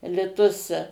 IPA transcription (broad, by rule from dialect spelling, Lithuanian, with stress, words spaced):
lʲɪˈtʊs